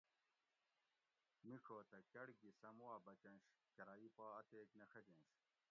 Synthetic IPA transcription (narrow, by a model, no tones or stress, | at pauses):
mikʰoːt̪ɐkɐɽɡisɐmwaːbɐt͡ɕɐnɕkɐɾaːipaːɐt̪eːknɐxɐd͡ʑenɕ